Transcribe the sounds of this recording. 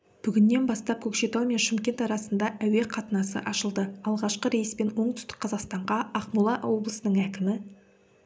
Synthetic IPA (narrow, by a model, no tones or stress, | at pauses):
b̥ʏɡʲɪnːe̞nbɑst̪ɑp̚kʲʰɵkʃe̞t̪ɑwme̞nʃɪmkʲe̞nt̪ɑɾɑsənd̪ɑʔæwe̞qʰɑt̪ənɑsə̰ʔɑʃəlˠd̪əɑlˠʁɑʃqəɾe̞jəspe̞nwo̞ɴt̪ʰʏ̥st̪ɪ̥k̚qʰːɑzɑqst̪ɑɴʁɑɑqmulˠɑʔoblˠəsənəŋækʲɪmɪ